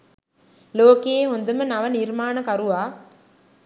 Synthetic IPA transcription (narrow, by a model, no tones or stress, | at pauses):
loːkeeːɦond̪ɯmɯnɐʋɐniɾmaːnɐkɐɾuʋaː